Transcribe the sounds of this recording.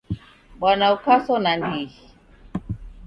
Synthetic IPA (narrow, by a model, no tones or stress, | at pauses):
ɓwanaukasɔnandi